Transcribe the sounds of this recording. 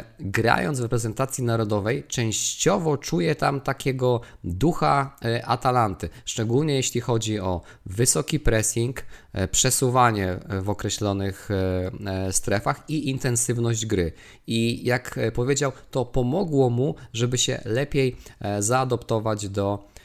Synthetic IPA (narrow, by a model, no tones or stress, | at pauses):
ɡɾa̰jɔ̰nd̪zvɾɛpɾɛzɛnt̪at̪sʲjinaɾɔd̪ɔvɛjt͡ʂɛ̃w̃ɕt͡ɕɔvɔt͡ʂujɛt̪amt̪akʲɛɡɔd̪uxaʔat̪alant̪ɘʂt͡ʂɛɡulɲɛjeɕlʲixɔd͡ʑiɔ | vɘsɔkʲipɾɛsʲiŋkpʂɛsuvaɲɛvɔkɾɛɕlɔnɘx | st̪ɾɛfaxiʔint̪ɛnsɘvnɔʑd͡ʑɡɾɘ | ijakpɔvʲjed͡ʑawt̪ɔpɔmɔɡwɔmuʐɛbɘɕɛ̰lɛpʲjejzaːd̪ɔpt̪ɔvad͡ʑd̪ɔ